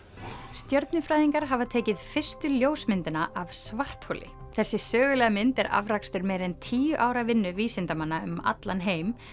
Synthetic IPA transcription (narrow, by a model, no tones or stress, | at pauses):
st̪jœɾt̪nʏfɾaːjðiŋkaɾɦavat̪ʰɛːcɪðfɪr̥st̪ʏljoːwsmɪnt̪ɪnaʔav̥svar̥t̪holɪ̰ | θɛsːɪsœːɣʏlɛːɣamɪnt̪ɛɾa̰vɾakst̪ʏɾmejɾɛnt̪ʰiːjʏʔaːwɾavɪnːʏviːsɪnt̪amanːaʏma̰t̪lanɦeːjm